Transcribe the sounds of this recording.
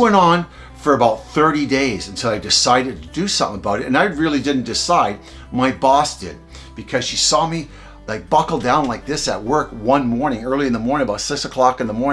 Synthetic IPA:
wɛ̃ñn̩ | fə˞ɨbaʊt̪̚θɜ˞ɾideɪzɨ̃n̩tʰoʊaɪdɨsaɪɾɨd̚tʰɨdɨsʌ̃mθɪ̰̃ŋəbaʊɾɨtɨ̃naɪɹɪlˠidɪdⁿn̩d̥ɨsaɪd̚ | maɪbɔsd̥ɪ̰d̚ | b̥ɨkʰʌz̥ʃisɔmi | laɪk̚b̥ʌkl̩ˠdãʊ̃nlaɪk̚ðɪsɨ̰t̚wɜ˞kwʌ̃nmɔɹnɪ̃ŋɜ˞lˠiɨ̃nðəmɔɹnɪ̃ŋəbaʊtsɪksəkʰl̥ɑkɨ̃nðəmɔɹñ

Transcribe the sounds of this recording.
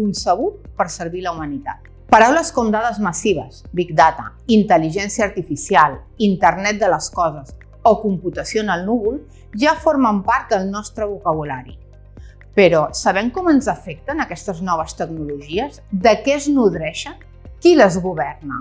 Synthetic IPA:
kunsəβ̞ut̪̚pəɾsəɾβiləumənit̪a̰t̪̚ | pəɾawləskɔmd̪aðəzməsiβ̞əzbikd̪at̪ə̰int̪əliʒɛnsiəːɾt̪ifisialˠ | int̪əɾnɛt̪̚d̪ələskɔzəs | okumput̪əsionəlˠnuβulˠ | ʒafoɾməmpaɾt̪̚d̪əlˠnɔst̪ɾəβukəβ̞ulaɾḭ | pəɾɔsəβɛmkɔmənzəfɛk̚t̪ənəkɛst̪əznɔβ̞əst̪əɡnuluʒiəzd̪əkɛznuðɾɛʃə | kiləzɣuβɛrnə̰

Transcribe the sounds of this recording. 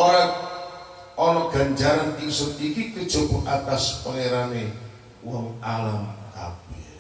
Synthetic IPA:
ʔoɾat̪̚ | ɔnɔɡ̥a̤ɲd͡ʒaɾanisənikikəd̥ʒ̥o̤kuʔat̪aspəŋeɾane | wɔŋalamka̰b̥ɛ̥

